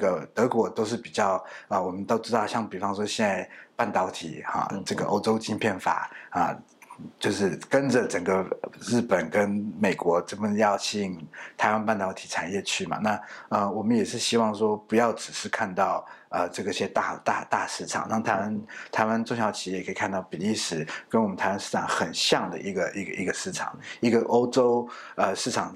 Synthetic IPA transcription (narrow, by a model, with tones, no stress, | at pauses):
ɡə˩t̪ɤ˧˥kwɔ˧˥t̪o˥ʊʂ̬ɻ̩˥˩pi˨˩t͡ɕjɑ˥˩ʊə˧wɔ˨˩mə˦nt̪o˥ʊʈ͡ʂɻ̩˥t̪ɑ˥˧ʊɕjɑ˥˩ŋpi˨˩fɑ˥ŋʂwɔ˥ɕjɛ˥˧na˥˧ɪpa˥˩nt̪ɑ˧˥ʊt̪ʰḭ˨˩xɑ̰˨˩ʈ͡ʂɤ˥˩ɡə˩ʔo˥ʊʈ͡ʂo˥ʊt͡ɕi˥ŋpʰjɛ˥˩nfa̰˨˩˦ə˧˩ | t͡ɕjo˥˧ʊʂɻ̩˥˩kə˦˥nd͡zə˨ʈ͡ʂə˨˩ŋɡə˦ɻɻ̩˥˩pə˨˩nkə˦nme˨˩ɪkwɔ˧˥ʈ͡ʂə˥˩ə˧˩˧jɑ˥˧ʊt͡ɕʰi˥˩nt̪ʰa˧˥ɪwa˥npa˥˩nt̪ɑ˧˥ʊt̪ʰi˨˩ʈ͡ʂʰa˨˩njɛ˥˧t͡ɕʰy˥˩mɐ̰˨˩na˥˩ə˥˧wɔ˨˩mə˦njɛ˨˩ʂɻ̩˥˩ɕi˥wɑ˥˩ŋʂwɔ˥pu˧˥jɑ˥˩ʊʈ͡ʂɻ̩˨˩ʂɻ̩˥˧kʰa˥˧nt̪ɑ˥˩ʊə˧ʈ͡ʂɤ˥˩ɡə˩i˩ɕjɛ˥t̪a̰˥˧t̪a̰˥˧t̪a˥˧ʂɻ̩˥˩ʈ͡ʂʰɑ̰˨˩ŋnɑ˥˩ŋt̪ʰa˧˥ɪwa˥nt̪ʰa˧˥ɪwa˥˧nʈ͡ʂʊ˥˧ŋɕjɑ˧˥ʊt͡ɕʰi˧˥˨kʰə˧˥i˨˩kʰa˥˧nt̪ɑ˥˩ʊpi˨˩li˥˩ʂɻ̩˨˩˦kə˥nwm˦ntʰɪwa˥nʂɻ̩˥˩ʈ͡ʂʰɑ˨˩˦ŋxə˨˩nɕjɑ˥˩ŋd̪ə̰˩ʔi˧˥ɡə˧ʔi˧˥ɡə˧i˧˥ɡə˨ʂɻ̩˥˩ʈ͡ʂʰɑ̰˨˩˦ŋi˧˥ɡə˧ʔo˥ʊʈ͡ʂo˥ʊ | ə˧ʂɻ̩˥˩ʈ͡ʂʰɑ˨˩ŋ